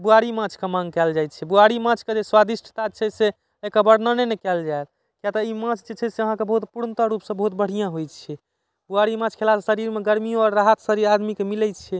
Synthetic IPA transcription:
buaɾimãt͡ʃʰkemãŋɡkɛld͡ʒajt̪t͡ʃʰɛbuaɾimãt͡ʃʰked͡ʒeswad̪isʈʰt̪at͡ʃʰɛse | ekəbəɽnənenekɛld͡ʒaet̪̚ | kijat̪ɔimãt͡ʃʰd͡ʒet͡ʃʰɛseəɦãkebəɦut̪puɾnt̪əɾupsə̃bəɦut̪̚bəɽ̤ijãɦojt͡ʃʰɛ | buaɾimãt͡ʃʰkʰelassəɾiɾmeɡəɾmioɔɾːaɦət̪səɾiɾad̪mikemilɛt͡ʃʰɛ

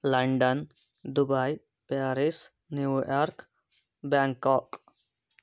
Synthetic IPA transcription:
lɐɳɖən | d̪ubaj | paɾis | njujɔɾk | bãŋkɔk

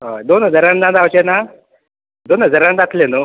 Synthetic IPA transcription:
ɦad̪onəd͡zəɾand͡zãd̪awt͡ɕena | d̪onəd͡zəɾãnd̪at̪leno

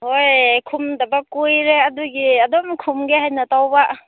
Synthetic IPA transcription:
hojkʰumdɐbakujɾeɐduɡiɐdɔmkʰumɡeɦajnɐtawba

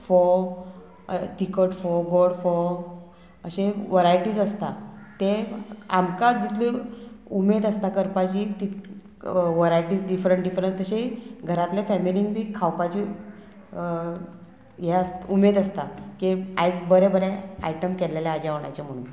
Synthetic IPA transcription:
fɔ | t̪ikəʈfɔɡoɽfɔ | əɕeʋəɾajʈiːd͡zəst̪at̪eamkad͡zit̪ʰliumed̪əst̪akəɾpat͡ɕit̪i | ʋəɾajʈiːd͡zɖifɾəɳʈɖifɾənt̪ːəɕeɡʱəɾat̪ljafɛmiliŋɡbʱiːkʰawpat͡ɕi | jɛəsumed̪əst̪akia̰jd͡zbəɾebəɾẽa̰jʈəmkɛlelaːd͡ʑaʋɳ̃a̰jt͡ɕam̤əɽ̃uːn

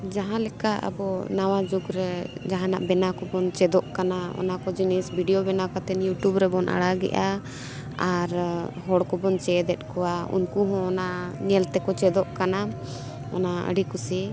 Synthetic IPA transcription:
d͡ʒaɦãlɛkaʔa̰bɔnawad͡ʒuɡɾɛd͡ʒaɦãna̰ʔbɛnakɔbɔnt͡ʃɛd̪ɔʔkanaɔ̰nakɔd͡ʒinisbʱiɖiobɛnakat̪ɛnjuʈubɾɛbɔnʔa̰ɽaɡɛ̰ʔa | aɾɦɔɽkɔbɔnt͡ʃɛd̪ɛt̪̚ˀkɔaṵnkuɦɔ̃ːnaʔɲɛlt̪ɛkɔt͡ʃɛd̪ɔʔkana | ɔ̰naə̰ɖikusɛ

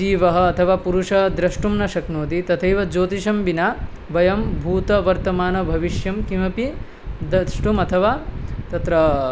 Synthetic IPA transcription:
iːʋɐɦɐ̆ːt̪ʰɐʋaːpuɾuʂɐd̪ɾɐʂʈumnɐʃɐknoːt̪it̪ɐt̪ʰɐjʋɐd͡ʒoːt̪iʃɐmbina | ʋɐjɐmbʱuːt̪ɐʋɐɾt̪ɐmaːnɐbʱɐʋiʃjɐmkimɐpi | d̪ɐʂʈumɐt̪ʰɐʋaːt̪ɐt̪ɾɐ

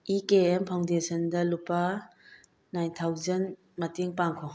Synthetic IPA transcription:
ikeempʰawndesʰəndɐlupaː | ajntʰawzɐn | mɐteŋpaŋkʰɔ

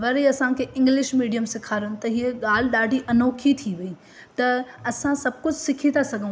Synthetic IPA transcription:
ʋɐɾeɐsãkʰeʔɪ̃ŋɡlɪʃmiːɖijəmsɪkʰaːɾʊnɪ̆t̪ɐɦieɠaːl̤ɗaːɖʱiʔɐnoːkʰit̪ʰiʋii | t̪ɐɐsãsɐb̚kʊd͡ʑʱsɪkʰit̪ʰasɐɡʱə̃

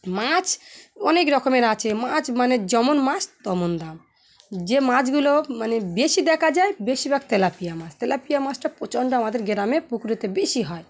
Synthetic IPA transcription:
mat͡ɕʰɔnekɾɔkomeɾat͡ɕʰemat͡ɕʰmaned͡ʑɔmonmat͡ɕt̪ɔmond̪am | d͡ʑemãt͡ɕɡulomanebeʃid̪ɛkʰad͡ʑaebeʃibɛk̚t̪elapijamãt͡ʃʰt̪elapijamat͡ɕʈapɾot͡ɕoɳɖoamad̪eɾɡeɾamepukɾit̪ebeʃiɦɔe

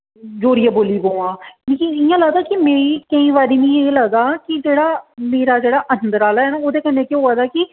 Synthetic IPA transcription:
d͡ʒoːɾijaːboːliːbõːãːleːkĩɪjãːləɡd̪aːkɪmɛ̃ːĩkəĩːʋaːɾiːnĩːeːləɡd̪aːkɪd͡ʒeːɽaːmeːɾaːd͡ʒeːɽaːʔənd̪əɾaːlːɛːnãːoːd̪eːkənːẽːkẽɦoːaːd̪aːkɪ

